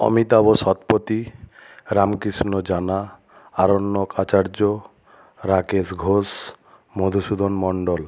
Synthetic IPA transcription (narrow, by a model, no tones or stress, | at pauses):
ɔ̰mit̪aboʃɔt̪pot̪i | ɾamkɾisnod͡ʑana | aɾonːokat͡ɕaɾd͡ʑo | ɾakesɡʱos | mod̪ʱuʃud̪ʱonmɔɳɖol